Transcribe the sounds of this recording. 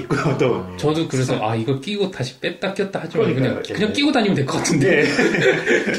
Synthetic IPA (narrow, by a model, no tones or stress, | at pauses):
k͈t͈ot͡ɕʌdukɯɾe̞sʰʌʔaiɡʌɭk͈iɡotaɕʰi̥p͈et͈ak͈jʌt̚t͈ahad͡ʑimankɯɲaŋkɯɲaŋk͈iɡodaɲimɯndweɭk͈ʌk͈atʰɯnde